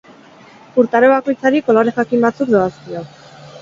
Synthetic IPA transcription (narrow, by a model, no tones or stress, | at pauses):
uɾt̪aɾeβako̞jt͡saɾiko̞lo̞ɾe̞xakimbat͡sukd̪oaskio